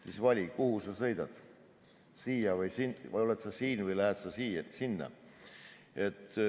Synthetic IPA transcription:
t̪isvɑlʲikuhusɑsɤ̞jd̪̥ɑd̪̥ | siːjɑvɯjsinvo̞let̪sɑsiːnvɯjlæɦet̪sɑsiːsinːɑ̰ | e̞t̪ːˑ

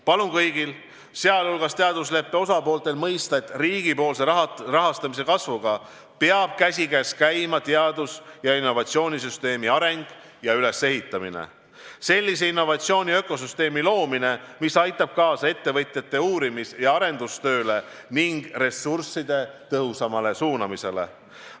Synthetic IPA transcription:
pɑlunkɤjɡ̥il | se̞ɑlulɡɑst̪e̞ɑd̪us̬le̞pːe̞o̞sɑpo̞ːlt̪ˑe̞lmɤjst̪ɑe̞t̪ːriːɡ̥ipo̞ːlse̞rɑɦɑst̪ɑmise̞kɑsvuɡ̥ɑ | peɑb̥̚kæsʲiɡæskæjmɑt̪eɑd̪̥usjɑinːo̞vɑt̪sio̞ːnʲisyst̪e̞ːmiɑɾe̞ŋɡ̥ | jɑyle̞sːe̞ɦit̪ːˑɑminḛ | se̞lʲːis̬e̞inːo̞vɑt̪sio̞ːnʲiø̞ko̞s̬yst̪e̞ːmilo̞ːmine̞misɑjt̪ːˑɑb̥̚kɑːsɑe̞t̪ːe̞vɤt̪ʲˑjɑt̪ːe̞uːɾimisjɑɑɾe̞nd̪̥ust̪ø̞ːle̞ | niŋɡ̥re̞sursːid̪̥e̞t̪ɤɦusɑmɑle̞suːnɑmise̞le̞̰

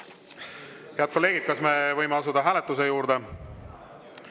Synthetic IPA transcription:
heɑd̪̚ko̞lːe̞ːɡ̥id̪̚kɑsme̞vɤjmeɑsud̪̥ɑɦæːlet̪ːˑuse̞juːɾd̪̥e̞

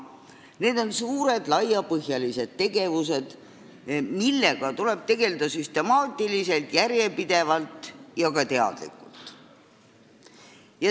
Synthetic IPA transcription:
ne̞ːd̪̥o̞nsuːɾe̞d̪̥lɑjɑpɤɦjɑlise̞d̪̥̚t̪ːe̞ɡe̞vuse̞d̪̥ | milːe̞ɡ̥ɑt̪ule̞b̥̚t̪e̞ɡe̞ld̪̥ɑsyst̪e̞mɑːt̪ːˑilise̞lt̪jæɾje̞pid̪̥e̞vɑlt̪ˑjɑkɑt̪e̞ɑ̰d̪̥lḭkult̪ˑ | jɑ

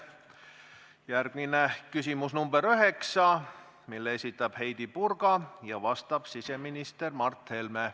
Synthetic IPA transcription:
jærɡ̥̚minekysimusnumbeɾøɦe̞ksɑ | milːeesʲit̪ːˑɑb̥he̞jd̪̥ipurɡɑjɑvɑst̪ɑb̥sise̞minist̪ermɑrt̪he̞lme

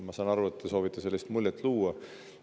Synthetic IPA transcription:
mɑsɑːnɑɾuet̪ːeso̞ːvit̪ːˑese̞lʲːist̪mulʲjet̪ːˑluːɑ

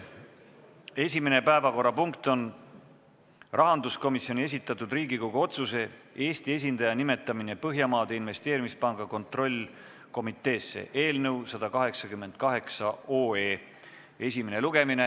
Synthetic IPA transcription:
e̞sʲime̞ne̞pæevɑko̞rːɑpuŋkt̪o̞n | rʔɑɦɑnd̪usko̞misjo̞nʲie̞sit̪ːˑɑt̪ːˑud̪riːɡ̥iko̞ɡ̥uo̞t̪suse̞e̞ːst̪ie̞s̬ʲind̪̥ɑjɑnime̞t̪ːˑɑmine̞pɤɦjɑmɑːd̪̥einve̞st̪e̞ːɾimispɑŋɡɑko̞nt̪ˑro̞lʲ | ko̞mit̪ˑːe̞ːsːe̞̰ʔe̞ːlnɤwsɑd̪̥ɑkɑɦe̞ksɑkymːen̥̚kɑɦe̞ksɑoːe̞ː | e̞sʲimene̞luɡ̥e̞mine̞

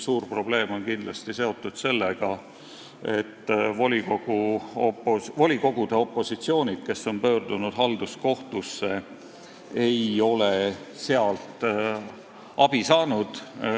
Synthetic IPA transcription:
suːrpro̞ble̞ːmo̞nkind̪̥lɑst̪ise̞o̞t̪ːˑud̪̥se̞lːeɡ̥ɑ | e̞t̪ːvolʲiko̞ɡ̥uopovo̞lʲiko̞ɡ̥ud̪̥e̞o̞pˑːo̞sit̪sio̞ːnʲid̪̥̚ke̞sːo̞npø̞ːrd̪unud̪̥ɦɑld̪̥usko̞ht̪usːe̞ | ejo̞lese̞ɑlt̪ | ɑb̥isɑːnud̪̥

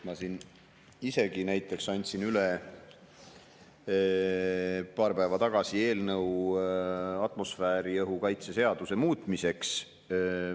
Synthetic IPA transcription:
mɑsin | ise̞ɡ̥inæjt̪ˑːe̞ksɑnʲt̪ʲsinyle | pɑːɾpæevɑt̪ɑɡ̥ɑsie̞ːlnɤw | ɑt̪ˑmo̞sfæːɾiɤɦukɑjt̪sese̞ɑd̪use̞muːt̪ˑmise̞ks

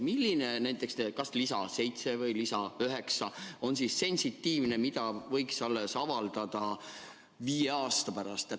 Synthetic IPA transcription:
milːinenæjt̪ːˑe̞ksnekɑslisɑ̰se̞jt̪se̞vɤjlisɑyɦe̞ksɑo̞nsise̞nʲsit̪ːiːvne̞mid̪ɑvɤ̞jksɑlːesɑvɑld̪̥ɑd̪̥ɑ | viːje̞ɑːst̪ɑpæɾɑst̪e

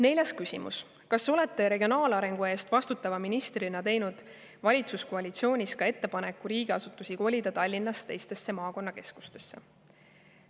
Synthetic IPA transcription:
ne̞jlʲɑskysʲḭmṵs | kɑsːo̞leɛt̪ːˑe̞ɾeɡʲio̞nɑːlɑɾe̞ŋɡ̥ue̞ːst̪vɑst̪ut̪ːˑɑvɑminist̪rinɑt̪e̞jnud̪̥ | vɑlʲit̪susko̞ɑlʲit̪sio̞ːnʲiskɑe̞t̪ːe̞pɑne̞kːˑuɾiːɡ̥eɑsut̪ːˑusiko̞lʲid̪ɑt̪ɑlʲːinːɑst̪e̞jst̪e̞sːe̞mɑːko̞nːɑke̞sku̥st̪e̞̥sːe̞̰

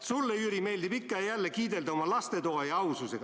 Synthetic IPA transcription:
sulːeyɾime̞ld̪ibikːˑɑɑjælːekiːd̪e̞ld̪ɑomɑlɑst̪e̞t̪oːjɑɑwsuseɡ̥

